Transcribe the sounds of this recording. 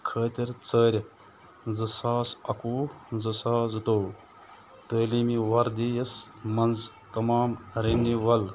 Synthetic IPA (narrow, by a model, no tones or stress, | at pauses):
kʰəːt̪ʲiɾt͡səːɾʲɐ | d͡zɐsaːsɐ̰kuːd͡zɐsaːzɨt̪ow | t̪əːlimiʋɐɾd̪ijɐs | mɐnz | t̪ɐmaːmɾenːiʋɐl